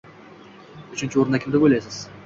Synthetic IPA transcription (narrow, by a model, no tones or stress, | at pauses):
ʊt͡ʃʰɪnt͡ʃɪoɾɪnakʲʰɪmd̪ɪbolajsɪz̥